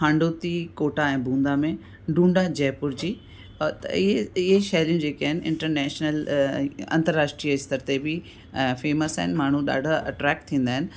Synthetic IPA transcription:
hʰãːɳɖoːt̪ikoːʈaɛ̃ːbʱũːnd̪amẽ | ɖũːɳɖad͡ʑɛːpʊɾd͡ʑiː | t̪ɐ̰ɪɦeɪɦeʃaːlijũd͡ʑeːkaːɦɪnɪʔɪ̰̃ɳʈəɾnɛːʃnəl | ɐ̃nt̪əɾːaːʃʈɾiːəɪst̪əɾt̪ebɪ | feːməsaɦɪnɪmaːɳ̤ũɗa̰ːɖʱaɐʈɾɛːk̚ʈ̚t̪ʰĩːn̆d̪aːɪ̃nɪ̆

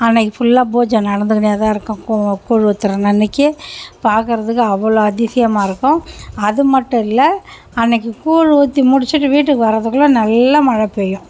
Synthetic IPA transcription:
ɐnːɐkːɯfʊlːaːboːd͡ʒɐ̃nɐɽɐnd̪ɯkɐɳjaːt̪ãːɪɾɯkːʊ̃kuːɻɯʋɐt̪ːɯɾɐ̃nɐnːɪkːɯpaːɾkɯɾɐðɯkːɯɐʋːɐɭoɐðɪsɪjɐmaːɪɾɯkːʊ̃ɐðɯmɐʈːʊ̃ɪlːɐ | ɐnːɐk̬ːɯkuːɻɯʋot̪ːimʊɽɪt͡ʃːɪʈːɯʋiːʈ̬ːɯkːɯʋɐɾɐðɯkːɯlõnɐlːɐmɐɻɐpoːjʊ̃

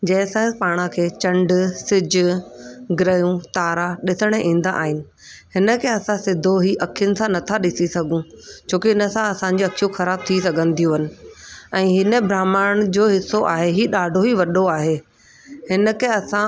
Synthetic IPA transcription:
d͡ʑɛ̃ːsãpaːɽ̃ãkʰeːt͡ɕɐ̃ɳɖsɪd͡ʑʊɡɾəjũt̪aːɾaɗɪsəɽ̃eʔĩːn̆d̪aʔa̰ːɦɪnɪ̆ | hɪnə̆kʰeɐsãsɪd̪ʱoɦiʔɐkʰijənɪ̆sãnɐt̪ʰaɗɪsisɐɡʱũt͡ɕʰoːkiɦɪnəsãɐsã̆d͡ʑiɐkʰijũxɐɾaːb̚t̪ʰisɐɡʱə̃n̆d̪ʱijũɦɪnɪ̆ɛ̃ːɦɪnəbʱɾaːmaːɽ̃d͡ʑoːɦɪsoʔa̰ːɦeɦiːɗaːɖʱoɦiʋɐɗoaːɦe | hɪnə̆kʰeɐsã

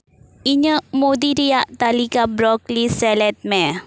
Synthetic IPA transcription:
ʔiɲə̃mod̪iɾiaʔt̪alikabɾɔklisɛlɛt̪̚mɛ

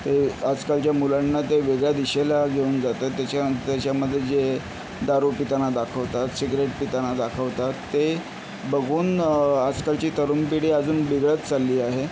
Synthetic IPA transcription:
t̪ead͡zkalt͡ɕjamulanːat̪eʋeɡɭjad̪iɕelaɡʱeuːnd͡zat̪ət̪ːat͡ɕat̪at͡ɕjaməd̪ʱːjed͡ze | d̪aɾupit̪anad̪akʰəʋt̪at̪siɡɾeʈ̚pit̪anad̪akʰəʋt̪at̪ːe | bəɡʱuːnad͡zkalt͡ɕiːt̪əɾumpiɽiːəd͡zuːnʋiɡɭət̪t͡salːiːaɦe

